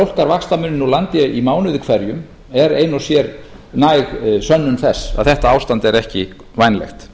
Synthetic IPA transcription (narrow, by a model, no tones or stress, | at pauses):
owl̥kaɾvakst̪amʏnːɪnɔlant̪ɪimaːwnʏðɪkʰvɛɾjʏm | ɛɾeːjnɔsjɛɾ | naːjɣsœnːʏnθɛsːa̰ðθɛht̪aaːwst̪ant̪ɛɾɛhcɪ | vajnlɛ̰xt̪